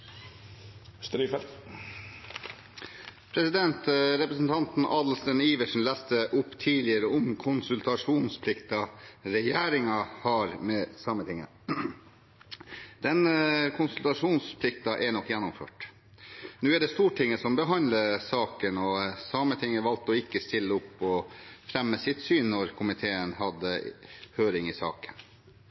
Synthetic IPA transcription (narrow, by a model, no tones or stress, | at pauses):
st̪ɾyːfɛlt̪ | pʰɾɛsɪd̪ɛnt̪ɾɛpɾəsn̩t̪ʰɑnt̪n̩ʔɑːd̪l̩st̪əniːʋəʂn̩læst̪əʔʊpːt̪ʰiːlɪəɾəɔmkʰʊnsʉlt̪ɑʂuːnspʰlɪkt̪ɑɾɛjæːɾɪŋɑhɑɾmɛːsɑmət̪ʰɪŋːə̰ | d̪̥ɛnkʰʊnsʉlt̪ɑʂuːnspʰlɪk̚t̪ɑʔɛɳɔkːjɛnːʊmfø̰ːʈ | nʉːæɖɛst̪uːʈʰɪŋːəsɔmbəɦɑnləsɑːkənɔsɑmət̪ʰɪŋːəʋɑlt̪ɔɪkːəst̪ɪlːəɔpːɔfɾɛmːəsɪt̪syːnːɔɾkʰʊmɪt̪ʰeːənhɑd̪ːəhøːɾɪŋɪsɑ̰ːkə̥n